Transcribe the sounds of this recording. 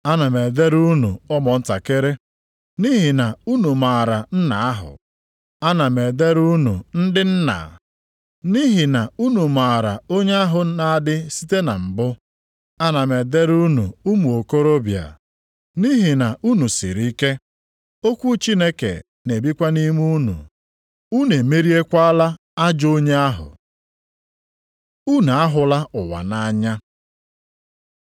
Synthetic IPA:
a˦na˨me˨de˦ɾu˦nṵ˨ɔ˦mɔ˨n̩˦ta̰˨ke˦ɾe˦ | ni˦ɦi˨na˨u˦nu˨maː˨ɾa˨n̩˦na˨a˦ɦʊ̰˨ | a˦na˨me˨de˦ɾu˦nu˨n̩˦dɪ˦n̩˦na̰˨ | ni˦ɦi˨na˨u˦nu˨ma˨ɾa˨o˦ɲe˦a˦ɦʊ˨˦na˨a˦dɪ˦si˦te˦na̰˨m̩˨bʊ˦ | a˦na˨me˨de˦ɾu˦nu˨u˦mu˨o˨ko˦ɾo˦bja̰˨ | ni˦ɦi˨na˨ʔu˦nu˨sɪ̰˨ɾi˦ke˦ | o˦kʷu˦t͡ʃi˦ne˦kḛ˨ | ne˨bi˦kʷa˦ni˦mu˦nṵ˨ | u˦ne˨me˦ɾi˦e˦kʷa˦a˦la˦ | a˦d͡ʒo˦ɲe˦a˦ɦʊ̰˨ | u˦n˨a˦ɦʊ˨la˦ʊ˨wa̰˨na˦ɲa˦

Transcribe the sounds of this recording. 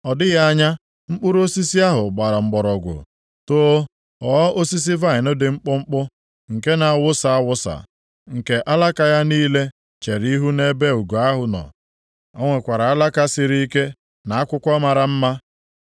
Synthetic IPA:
ɔ˨dɪ˦ɣa˦a˦ɲa˦ | ŋ͡m̩˦k͡pʊ˦ɾo˦si˦si˦a˦ɦʊ˨ɡ͡ba˨ɾa˨ŋ͡m̩˨ɡ͡bɔ˨ɾɔ˨ɡʷʊ̰˨ | to˦ | ɔ˨˦ʔo˦si˦s̬i˦va˦ɪ˨nʊ˦dɪ˨ŋ͡m̩˦k͡pʊ˦ŋ͡m̩˦k͡pʊ˦ | ŋ̩˨ke˦na˨a˨wʊ˦sa˨a˦wʊ˦sa̰˨ | ŋ̩˨ke˨ʔa˦la˦ka˨ja˦niː˦le˦ | t͡ʃe˨ɾi˦ɦu˦ne˦be˦u˨ɡo˨a˦ɦʊ˨nɔ̰˨ | ɔ̰˦ŋʷe˨kʷa˨ɾa˨a˦la˦ka˦sɪ˨ɾi˦i˦ke˦ | na˨a˦kʷʊ˦kʷɔ˦ma˨ɾa˨m̩˦ma˦

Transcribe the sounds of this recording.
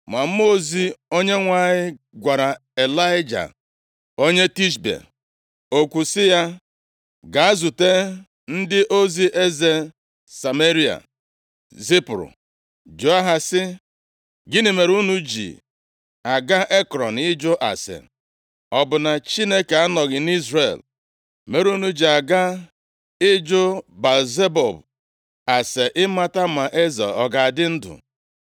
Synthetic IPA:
ma˨m̩˦mo˦zi˦o˦ɲe˦ŋʷa˦ɲɪ˦ | ɡʷa˨ɾa˨e˨la˦ɪ˦d͡ʒa̰˨ | o˦ɲe˦ti˦ʃ̬bḛ˨ | o˦kʷu˨sɪ˦ja˦ | ɡa˨a˦zu˨te˦ | n̩˦dɪ˦ʔo˦zi˦ʔe˦ze˦ | sa˨me˦ɾi˦a̰˨ | zi˦pɾʊ̰˨ | d͡ʒo˨˦a˦ɦa˨sɪ˦ | ɡɪ˦nɪ˨me˨ɾu˦nu˦d͡ʒḭ˨ | a˨ɡa˦ʔe˦kɾɔ˨n˨ɪ˦d͡ʒo˦ʔa̰˨sḛ˨ | ɔ˨bʊ˨na˨t͡ʃi˦ne˦ke˨a˦nɔ˨ɣɪ˨n˦i˦zrḛ˨l | me˨ɾu˦nu˦d͡ʒi˨a˨ɡa˦ | ɪ˦d͡ʒo˦ba˨ze˦bɔ˨b | a˨se˨ʔɪ˦ma˦ta˦ma˨ʔe˦za̰˨ɔ˨ɡa˨dɪ˦n̩˦dʊ̰˨

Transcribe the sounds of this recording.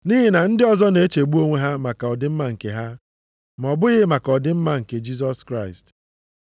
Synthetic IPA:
ni˦ɦɪ˦na˨n̩˦dɪ˦ɔ˨zɔ˦ne˨˦e˦t͡ʃe˨ɡ͡bu˦o˦ŋʷe˦ɦa˦ma˨ka˨ɔ˨dɪ˦m̩˦ma˨ŋ̩˨ke˨ɦa˦ | m˨ɔ˨bʊ˦ɣɪ˦ma˨kɔ˨dɪ˦m̩˦ma˦ŋ̩˨ke˨d͡ʒi˦s̬ɔ˦skɾa˦˨ɪ˨st

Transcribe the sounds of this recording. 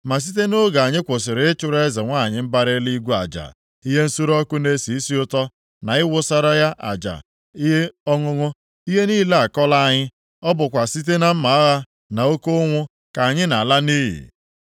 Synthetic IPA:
ma˨s̬i˦t̬e˦no˦ɡa˨a˨ɲɪ˦kʷʊ˨sɪ˨ɾɪ˨˦ɪ˦t͡ʃʊ˦ɾe˦za˨ŋʷa˦˨ɲɪ˦m̩˦ba˦ɾɪ˦li˦ɡʷu˦a̰˨d͡ʒa̰˨ | i˦ɦe˦n̩˦su˦ɾɔ˦kʊ˦ne˦si˨i˦si˦ʊ˦tɔ˦ | na˨ɪ˦wʊ˦sa˦ɾa˦ja˦ʔa̰˨d͡ʒa̰˨ | i˦ɦe˦ɔ˦ŋʊ˦ŋʊ˦ | i˦ɦe˦niː˦la˦a˨kɔ˦la˦a˨ɲɪ˦ | ɔ˦bʊ˨kʷa˨si˦t̬e˦na˦m̩˦ma˨a˦ɣa˦ | na˨o˦ko˦ŋʷʊ˦ | ka˨a˨ɲɪ˦na˨la˦niː˦ɦḭ˨

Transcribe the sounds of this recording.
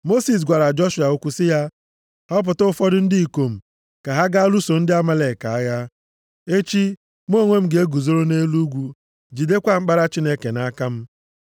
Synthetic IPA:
mo˦si˨s̬ɡʷa˨ɾa˨d͡ʒɔ˦ʃu˨a˨o˦kʷu˦sɪ˦ja˦ | hɔ˦p̬ʊ˨tʊ˦ʊ˦fɔ˦dʊ˦n̩˦di˦i˨ko˨m̩˨ | ka˨ɦa˦ɡa˦lu˦so˨n̩˦dɪ˦a˦ma˦le˨ka˨a˦ja˦ | e˦t͡ʃi˦ | m˦o˦˨ŋʷe˦m̩˦ɡe˨˦e˦ɡu˨zo˦ɾo˦ne˦lu˦ɡʷu˦ | d͡ʒi˨de˦kʷa˦ŋ͡m̩˦k͡pa˦ɾa˦t͡ʃi˦ne˦ke˨na˦ka˦m̩˦

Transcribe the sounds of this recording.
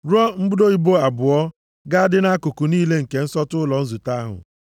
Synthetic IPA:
ɾɔ˦m̩˦ɡ͡bʊ˦do˦i˦bo˦a˨bʊ˨ɔ˦ | ɡa˦a˦dɪ˦na˦kʊ˨ku˨niː˦le˦ŋ̩˨ke˨n̩˦sɔ˦tʊ˦lɔ˨n̩˦zu˨ta˦ɦʊ̰˨

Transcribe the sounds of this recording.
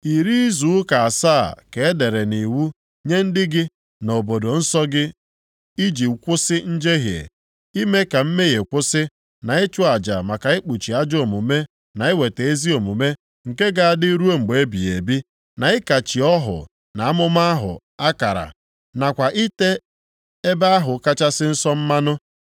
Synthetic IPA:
i˨ɾi˦i˦zu˨˦ka˨a˨saː˦˨ke˨e˦de˨ɾe˨ni˨wu˦ | ɲe˦n̩˦dɪ˦ɡɪ˦ | no˨bo˨do˨n̩˦sɔ˦ɡɪ˦ | i˦d͡ʒi˨kʷʊ˦sɪ˦n̩˦d͡ʒe˦ɦjḛ˨ | i˦me˦ka˨m̩˦me˦je˨kʷʊ˦sɪ˦ | na˨e˦t͡ʃʊ˦a˨d͡ʒa̰˨ma˨ka˨ɪ˦k͡pu˨t͡ʃi˨a˦d͡ʒo˨mu˨me˦ | na˨ɪ˦we˨te˨e˦zi˦o˨mu˨me˦ | ŋ̩˨ke˦ɡa˦a˨dɪ˦ɾu˦o˦ŋ͡m̩˨ɡ͡be˦bḭ˨ḛ˨bi˦ | na˨ɪ˦ka˨t͡ʃi˨ɔ˦ɦʊ̰˨ | na˨a˦mʊ˦m˦a˦ɦʊ̰˨ | a˦ka˨ɾa̰˨ | na˨kʷa˨ʔi˦te˦ | e˦ba˦a˦ɦʊ˨ka˦t͡ʃa˦sɪ˦n̩˦sɔ˦m̩˦ma˦nʊ˦

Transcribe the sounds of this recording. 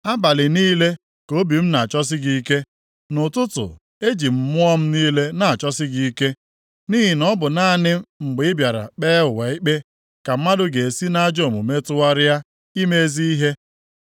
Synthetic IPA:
a˦ba˨lɪ˨niː˦le˦ | ko˦bi˨m̩˦na˨t͡ʃɔ˦s̬ɪ˦ɡi˨˦ke˦ | nʊ˨tʊ˦tʊ̰˨ | e˦d͡ʒi˨m̩˦mʊ˦ɔ˦m̩˦niː˦le˦na˨a˨t͡ʃɔ˦sɪ˦ɡi˨˦ke˦ | niː˦ɦi˨nɔ˦bʊ˨na˦˨nɪ˦ŋ͡m̩˨ɡ͡bɪ˨˦ɪ˦bja˨ɾa̰˨k͡peː˦ʊ˨wa˨i˦k͡pe˦ | ka˨m̩˦ma˦dʊ˦ɡe˨e˨si˦na˦d͡ʒo˦˨mu˨me˦tʊ˦wa˦ɾɪ˦ja˦ | i˦me˦e˦zi˦i˦ɦe˦

